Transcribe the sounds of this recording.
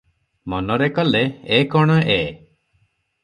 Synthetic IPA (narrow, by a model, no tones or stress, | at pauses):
mɔnɔɾekɔleːkɔɽ̃ɔʔe